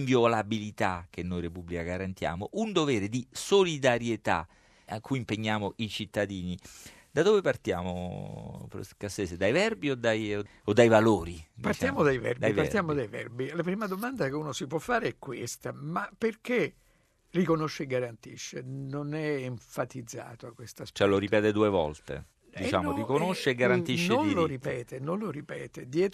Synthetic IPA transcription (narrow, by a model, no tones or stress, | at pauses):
ɱvjolabilit̪ak̟enːojɾepubːlikaɡaɾant̪ja̰ːmoʔund̪ovɛːɾed̪isolid̪aɾjet̪a̰ | akːujimpeɲːaːmoʔit͡ʃit̪ːad̪iːni | d̪ad̪oːvepart̪ja̰ːmo̰pkaseːsed̪ajvɛrbiod̪ːaj | od̪ːajvaloːɾipart̪jaːmod̪ajvɛ̰rbd̪aijpaɾt̪jaːmod̪ajvɛ̰rbilapɾiːmad̪omand̪akeuːnosipwɔfːaːɾeɛkːwest̪amaperke | rikonoʃːeːɡaɾant̪iʃːenonɛːɱfat̪id̪zːa̰ːt̪oakːwest̪ast͡ʃoɛloɾipɛːt̪ed̪uːevɔ̰lt̪ḛ | d̪it͡ʃa̰ːmorikonoʃːeːɡaɾant̪iʃnːeoniloɾipɛːt̪enonloɾipɛ̰ːt̪ed̪jɛːt̪